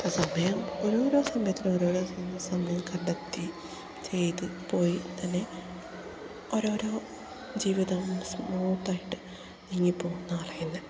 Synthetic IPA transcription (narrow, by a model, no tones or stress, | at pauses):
posɐmɐjɐmoɾo̞ːɾo̞ːsɐmbjɐt̪ːiloɾo̞ːɾo̞ːsɐjɐmːɐsɐmɐjɐmkɐɳɖɐt̪ːi | t͡ɕe̞jt̪ɨpo̞ːjit̪ɐnːe̞ | oɾo̞ːɾo̞ː | d͡ʑiːʋiðɐmsmuːt̪ːaːjiʈːɨ̥ | niŋːipo̞ːɣunːɐɐrɐjunːɐ